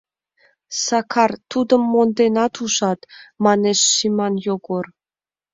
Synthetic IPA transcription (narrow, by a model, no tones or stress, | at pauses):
sɑkʰɑrt̪ud̪ə̆mːond̪enɑt̪uʃɑt̪mɑneʃːimɑnjoɡor